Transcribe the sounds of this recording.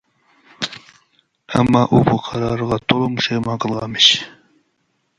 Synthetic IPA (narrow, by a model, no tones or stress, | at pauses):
a̰mːɑːʔubəqʰɑɾɑɾʁɑt̪ʰolomʊʃejmɑqəlˠʁɑmɪʃ